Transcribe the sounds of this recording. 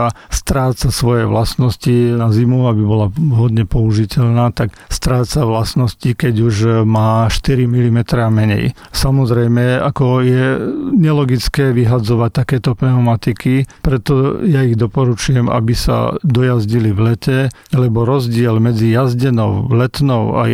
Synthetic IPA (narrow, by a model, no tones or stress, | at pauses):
a | st̪ɾaːt͡sasʋɔjɛʋlasnɔscinazimuabibɔlaɦɔd̪ɲɛpɔuʒicɛlnaːt̪ak | st̪ɾaːt͡saʋlasnɔscikɛɟuʒmaːʃt̪iɾimilimɛt̪ɾɛamɛɲɛ̰j | samɔzɾɛjmɛa̰kɔjɛɲɛlɔɡit͡skɛːʋiɦad͡zɔʋac̚t̪akɛːt̪ɔpnɛʊmat̪ikipɾɛt̪ɔjaiɣd̪ɔpɔɾut͡ʃujɛma̰bisa̰d̪ɔjazɟiliʋlɛcɛ | lɛbɔɾɔzɟɪɛlmɛd͡zijazɟɛnɔʊlɛt̪nɔʊa̰